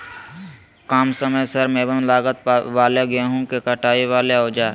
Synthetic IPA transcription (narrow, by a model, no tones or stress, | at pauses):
kaːmsəməjsɐɾmẽːbənlaːɡət̪ʋaːleɡeɦũkekəʈʰaːiʋaːleoːd͡ʒaː